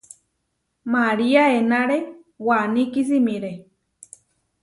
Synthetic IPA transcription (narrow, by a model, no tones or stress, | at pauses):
maɾiaenaɾe | wanikis̬imĩɾe